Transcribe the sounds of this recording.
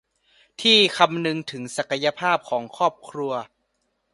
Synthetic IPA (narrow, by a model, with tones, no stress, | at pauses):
t̪ʰiː˥˩kʰa˧mnɯ˧ŋt̪ʰɯ˩˦ŋsa˨˩ka˧ja˧pʰaː˥˩p̚kʰɔː˩˦ŋkʰɔː˥˩p̚kʰɾu˧ɐ